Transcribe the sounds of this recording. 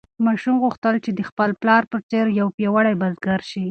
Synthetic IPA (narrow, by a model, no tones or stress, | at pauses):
mɑʃumɣuxt̪əlt͡ʃed̪əxpəlplɑɾpət͡seɾjawpjɑwaɽajbazɡaɾʃi